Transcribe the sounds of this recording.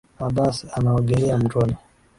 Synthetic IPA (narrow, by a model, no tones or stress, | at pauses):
abasanaɔɡɛlɛam̩tɔnɔ